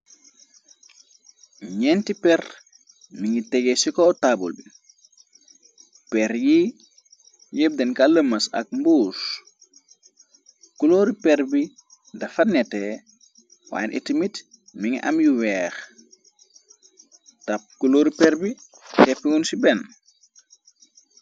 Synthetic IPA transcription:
ɲɛntipɛr | miŋitɛɡesikɔtabṵlbi | pɛɾji | jeb̚denkaləmːɐsɐ̰k̚mbuːs | kuloɾipɛɾbi | dɐfɐnːɛte | wa̰ːjnʔḭtimit | miŋiʔa̰mjuwɛːx | tɐp̚kuloːɾipɛɾbi | tɛpːiunsibɛn

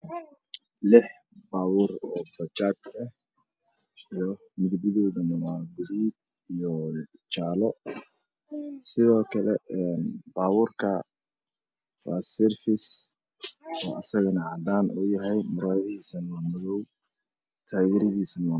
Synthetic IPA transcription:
lɪħ | baːwuːrɔːbɐt͡ʃaːt̪ɐh | ijɔ | mɪðbɪðɔːðɐnɐwaːɡʊliːd̚ | ijɔt͡ʃaːlɔ | sɪðɔːkʰɐlɛɛnbaːwuːrkʰɐ | wɑ̰ːsɛrfɪs | ɔːʔɐsɐɣɐnɐad̪aːnṵːjɐɦɛjmʊɾaːjɐðiːsɐnɐwaːmɪðɔw | t̪ʰaːɣɛɾɪðiːsɐnɐwaː

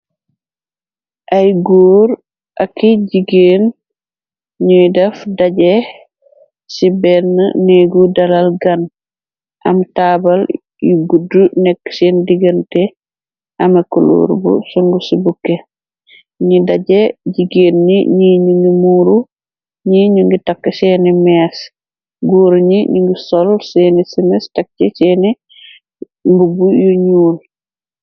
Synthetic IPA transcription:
ʔajɡuːɾ | ʔakːiɟiɡen | ɲujdɛfdaɟɛ | sibɛnːə̰neɡudalalɡan | ʔamtaːbal | jiɡudːunɛkːsindiɡəntɛ | ʔɐmɐkulṵɾbṵsuŋɡusibukːe | ɲidaɟɛɟiɡeːnːiɲiɲuŋɡimuːɾu | ɲiɲuŋɡitakːsɛnimɛs | ɡuɾɲiɲiŋɡisɔlsɛnisimɛstak̚t͡ʃɛsɛni | mbubujuɲuːl

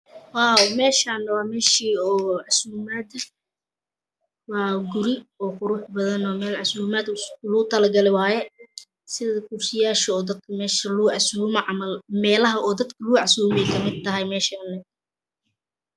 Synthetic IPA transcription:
wɑːmɛːʃanːɐwɑːmɛːʃiːɔːʕɑsuːmaːd̪ɐ | wɑːɡʊɾɪɔːqʊɾʊħbɐðɐnɔːmɛːlʕɑsuːmaːd̪lʊʊt̪ʰɐlɐɡɐlɪwɑːjɛ | sɪðɐkʰʊrsɪjaːʃɐɔːd̪ɐd̪̚kʰɐmɛːʃɐlʕɑsuːmɐʕɐmɐlmɛːlɐɦɐɔːd̪ɐd̪kʰɐlʊʊʕɑsuːmɛjkʰɐmɪd̪̚t̪ːɐɦɛjmɛːʃanːɐ

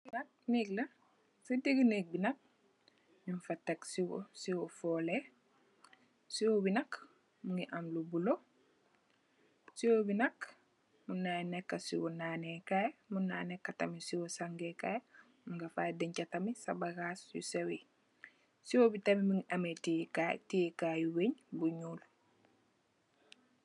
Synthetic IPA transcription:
nɐk̚niklɐ | sidiɡineːk̚binɐk̚ | mimfatːeksiwosiwofole | siwobinɐk | muŋiʔamlubulo | siwobinɐk | munːanekːasḭwɔnaːnekajmunːaːjnekːatɐmisiwosaŋɡeka̰j | muŋɡafa̰ːdeɲcatɐmisabaɡasjṵsewi | siwobitɐmimuŋiʔametikatijkajuweɲbuɲuːl

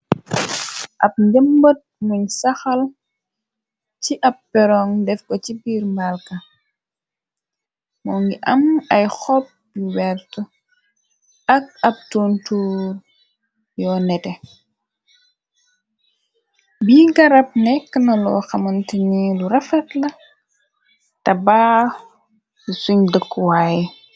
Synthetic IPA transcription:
ʔɐp̚ɲdəmbət̚muɲsɐxɐl | ciʔɐpːɛɾɔŋdɛfkɔcibiːɾmbalkɐ | mɔːŋɡiʔɐmɐjxɔp̚b̥iwɛtu | ɐk̚ɐp̚tontuːr | jɔːnɛtɛ | biːɡɐɾɐp̚nɛkːənɐlɔ̰ːxɐmɐntiniluɾɐfɐtlɐ | tɐbaː | lusuɲdəkːuwaːji

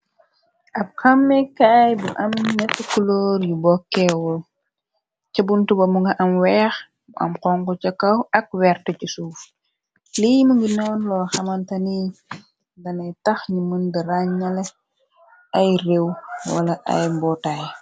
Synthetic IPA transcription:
ʔɐb̚xɐmːɛkaːjbuʔɐmnɛkːəkulɔːɾjubɔkːɛwɔl | t͡ʃɐbuntubɐmuŋɡɐʔɐmwɛːx | ʔɐ̰mqɔŋkɔt͡ʃɐkɐwɐk̚wɛrtəcisuf | liməŋɡinɔːnlɔːxɐmɐntɐni | dɐnɐjtɐxɲiməndəɾaɲɲɐlɛ | ɐjrewwɐ̰lɐʔɐ̰jbɔtaj

